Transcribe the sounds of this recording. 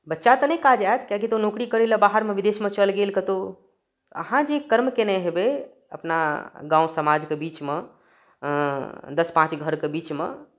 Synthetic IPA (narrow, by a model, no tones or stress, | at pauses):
bətːʃat̪ənẽkad͡ʒaet̪kjakit̪onokɾikəɾeləbaɦəɾmeʋid̪esmẽt͡ʃəlɡelkət̪o | ə̰ɦãd͡ʒekəɾmkenɛɦebe | ə̰pna̰ɡãũsəmad͡ʒkebit͡ʃme | d̪əspãt͡ʃɡʱəɾkebit͡ʃmḛ